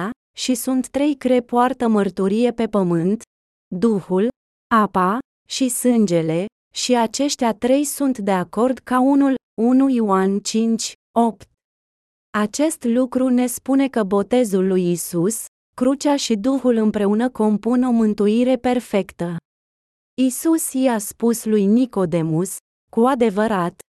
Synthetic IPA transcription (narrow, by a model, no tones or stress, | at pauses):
a | ʃisunt̪ːɾe̞jkɾe̞poart̪əmərt̪uɾije̞pe̞pəmɨnt̪ | d̪uhul | apa | ʃisɨnd͡ʒe̞le̞ | ʃiat͡ʃe̞ʃt̪ʲat̪ɾe̞jsunt̪d̪e̞ako̞rd̪kaunul | unujoant͡ʃint͡ʃʲ | o̞pt̪̚ | at͡ʃe̞st̪lukɾune̞spune̞kəbo̞t̪e̞zulːujisus | kɾut͡ʃaʃid̪uhulɨmpɾe̞unəko̞mpuno̞mɨnt̪uiɾe̞pe̞rfe̞kt̪ə | isusjijaspuslujniko̞d̪e̞mus | kuad̪e̞vəɾat̪